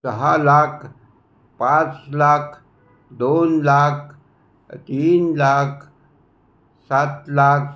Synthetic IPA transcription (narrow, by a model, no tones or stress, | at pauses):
səɦalaːkʰ | pãt͡slaːkʰ | d̪onlak̚ʰ | t̪iːnlaːkʰ | sat̪laːkʰ